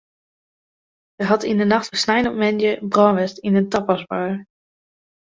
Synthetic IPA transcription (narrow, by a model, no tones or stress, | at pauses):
əɦɑtindənɑχtəsnajnɔpmɛnjəbrɔʋɛstinəntɑpɑsbaː